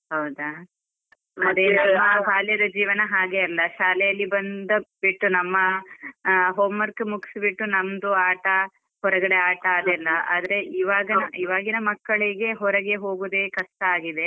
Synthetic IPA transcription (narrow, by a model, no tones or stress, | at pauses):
hɐwd̪ɐ | mɐd̪eːnɐmɐɦaːljɐd̪ɐd͡ʒiːʋɐnɐɦaːɡeɐlːɐʃaːlɛjɐlːibɐnd̪ɐbiʈːunɐmːɐ | ɦoːmːɐɾkːemuki̥sbiʈːunɐmd̪uaːʈɐ | hɔɾɐɡɐɽe̞aːʈɐaːd̪ɛlːɐa̰ːd̪ɐɾe̞iːʋaːɡɐnɐiʋaːɡinɐmɐkːɐɭiɡe̞ɦɔɾɐɡe̞ɦo̞ːɡud̪e̞ːkɐst̪ɐaːɡid̪e̞